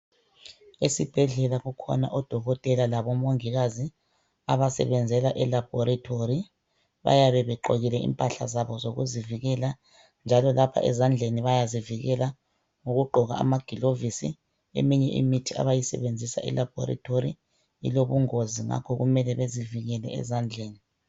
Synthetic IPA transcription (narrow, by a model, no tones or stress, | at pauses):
esib̥ʱɛɮɛlaɣukʰɔ̰naʔɔd̥ʱɔɣɔtʼɛlalaβɔmoŋiɣazi | aβasɛ̰βɛnd͡zʱɛlaʔɛlab̥ʱɔɾatʰoɾi | βa̰jaβɛβɛǃo̰ɣilɛḭmpʼaɬazaβɔzoɣṵziviɣɛla | nd͡ʒʱalɔlapʰa̰ʔɛ̰zand͡ɮʱeniβajaziviɣɛla | ŋoɣuɡ͡ǃʱɔɣa̰ːmaɡ̥ʱilovisḭ | ḛmiɲɛʔḭmitʰia̰βajisɛ̰βend͡zʱisa̰ʔɛ̰lab̥ʱɔ̰ɾa̰tʰoɾḭ | ḭloβuŋoziŋa̰kʰɔɣumɛlɛβeziviɣɛlɛ̰ɛ̰zand͡ɮʱeːni